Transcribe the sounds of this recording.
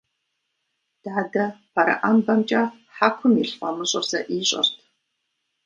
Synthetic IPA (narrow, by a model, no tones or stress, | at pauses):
d̥aːdɐpʰaɾɐ̰ʔambɐmt͡ʃʼɐ | ħaːkʷʰʊmiɬfʼɐmɨɕʼɪrzɐʔiːɕʼɐ̰rtʰ